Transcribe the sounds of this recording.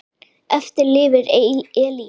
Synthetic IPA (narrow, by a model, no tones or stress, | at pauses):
ɛft̪ɪɾlɪːvɪɾɛːli